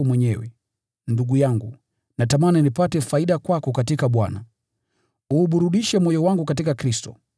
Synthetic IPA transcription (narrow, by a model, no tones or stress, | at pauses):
mwɛɲɛwɛ | nduɡujaŋɡu | natamaninipatɛfaiɗakwakɔkatikaɓwana | uːɓuɾuɗiʃɛmwɔjɔwaŋɡukatikakɾistɔ